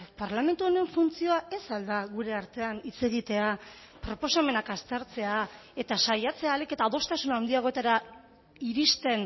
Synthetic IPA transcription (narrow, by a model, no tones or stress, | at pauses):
paɾlame̞nt̪uone̞ɱfunt͡sio̞aʔe̞sald̪aɣuɾe̞aɾt̪e̞anit͡se̞ɣ̞it̪e̞a | pɾo̞po̞same̞nakast̪eɾt͡se̞ae̞t̪asajat͡se̞aːleke̞t̪aðo̞st̪asunawnd̪iaɣ̞o̞e̞t̪aɾa | iɾist̪e̞n